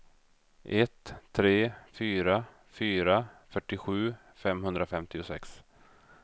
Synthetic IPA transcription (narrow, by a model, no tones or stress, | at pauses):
ʔɛt̪ʰːɾeːfyːɾa | fyːɾafœʈːɪɧʉ̟ː | fɛmɦɵnd̪ɾafɛmt̪ɪʊsɛ̰ks